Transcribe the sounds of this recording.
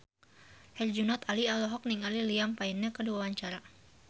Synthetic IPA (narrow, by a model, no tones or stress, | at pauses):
hɛld͡ʒunɔt̪alialɔɦɔk̚niŋaliliampainːɛkəduawaɲt͡ʃaɾa